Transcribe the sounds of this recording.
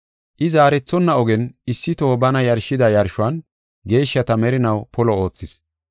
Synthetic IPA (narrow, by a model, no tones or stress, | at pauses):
ʔɪzaːɾɛt͡sːɔnːɐɔɡɛnɪsːɪt̪oːbɐnɐjɐɾʃːɪd̪ɐjɐɾʃʊɐn | ɡe̞ːʃːɐt̪ɐmɛɾɪnɐwpɔlɔo̞ːt͡sːɪs